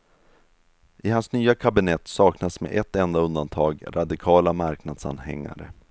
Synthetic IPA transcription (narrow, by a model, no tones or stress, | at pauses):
ʔɪɦansnyːakʰabɪnɛt̪ːsɑːknasmḛʔɛt̪ːɛnd̪aɵnd̪ant̪ʰɑːɡɾad̪ɪkʰɑːlamaɾknad̪sa̰nhɛ̰ŋːa̰ɾə